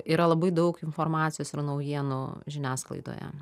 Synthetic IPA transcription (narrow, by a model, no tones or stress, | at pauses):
iːɾɐlˠɐbɐɪd̪ɐʊkɪnfoːrmɑːt̪t͡ssʲɪjoːsɪrnɐʊjiɛnuʒʲɪnʲæːsklˠɐ̰ɪd̪o̰ːjɛ̰